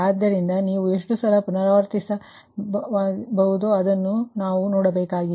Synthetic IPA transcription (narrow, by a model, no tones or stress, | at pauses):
aːd̪ːɐɾind̪ɐniːʋueʂʈusɐlɐpunɐɾaːʋɐɾt̪isɐ | bɐɦud̪uɐd̪ɐnːunaːʋunɔːɽɐbeːkaːɡi